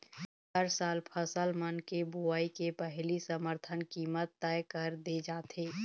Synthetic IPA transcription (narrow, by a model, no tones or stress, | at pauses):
ɦəɾsaːlpʰəsəlmənkebuaːikepɛɦlisəməɾt̪ʰənkiːmət̪ːɛjkəɾd̪ed͡ʒaːt̪eː